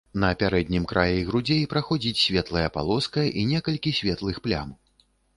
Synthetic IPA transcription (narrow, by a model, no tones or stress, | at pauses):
nɐːpʲaɾɛd̪ʲnʲimkɾʔajɛiɣɾud͡zʲepɾaxɔd͡zʲit͡sʲsʲvʲɛt̪lˠɐjɐpa̰lˠɔskɐʔinʲɛkɐlʲkʲisʲvʲɛt̪lˠɨxplʲa̰m